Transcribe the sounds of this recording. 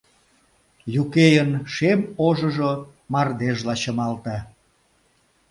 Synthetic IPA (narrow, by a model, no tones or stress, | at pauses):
jukejənʃemoʒə̆ʒo | mɑrd̪eʒlɑt͡ɕəmɑlt̪ɑ